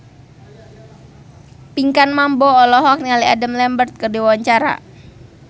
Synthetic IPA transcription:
piŋkanmambɔːlɔɦɔk̚nialiadəmlɛmbərt̪̚kərdiwawaɲt͡ʃaɾa̰

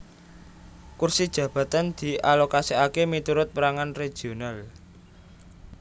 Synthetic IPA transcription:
kursid̥ʒ̥ä̤b̥ä̤t̪and̪̥i̤ʔalokasiakemit̪uɾʊt̪̚pəɾaŋanre̥ʒ̥ional

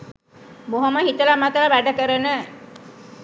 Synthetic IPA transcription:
moɦoməɦit̪əlamat̪əlaʋæɖəkəɾənə

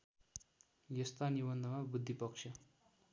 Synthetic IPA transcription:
jʌst̪anibʌnd̪ʱəmabud̪ʱːipʌkʂʌ

